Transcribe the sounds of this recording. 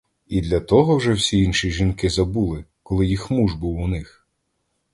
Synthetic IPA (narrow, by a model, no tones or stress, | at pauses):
id̪lʲɐt̪ɔɦɔwʒɛwsʲiinʃiʒinkɪzɐbulˠɪkɔlˠɪjixmuʒbuwunɪx